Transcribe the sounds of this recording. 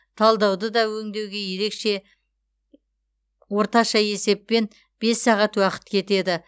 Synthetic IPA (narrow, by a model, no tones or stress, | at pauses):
t̪ʰɑlˠd̪ɑwd̪əd̪ɑwɵŋd̪e̞wɡʲe̞je̞ɾe̞kʃe̞ | wo̞ɾt̪ɑʃɑje̞se̞p̚ːe̞n | b̥e̞sːɑʁɑt̪wɑqə̥t̪kʲʰe̞t̪e̞d̪ɪ